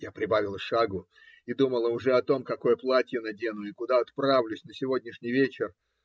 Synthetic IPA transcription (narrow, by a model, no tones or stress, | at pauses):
japɾʲɪbavʲɪlˠəʂaɡʊ | id̪uməlˠəʊʐɛɐt̪o̞mkɐko̞jəplˠatʲjənɐdʲe̞nʊɪkʊd̪aɐt̪pɾavlʲʊsʲnəsʲɪvo̞dʲnʲɪʂnʲɪjvʲet͡ɕɪr